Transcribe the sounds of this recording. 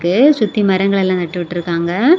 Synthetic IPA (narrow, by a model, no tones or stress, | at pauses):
kːɯsʊt̪ːimɐɾɐŋɡɐɭɛlːãːt̪ɐʈːɯʋɪʈːɪɾɯkːaːŋɡɐ